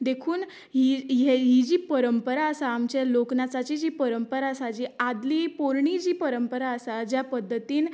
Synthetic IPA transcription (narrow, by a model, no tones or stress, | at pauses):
d̪ekʰuːn | ɦijeɦid͡ʑiːpəɾəmpəɾaəsaːmt͡ɕaloknat͡sat͡ɕid͡ʑiːpəɾəmpəɾaəsad͡ʑiːad̪liːpoɾɳid͡ʑiːpəɾəmpəɾaəsad͡ʑjapəd̪ʱːət̪iːn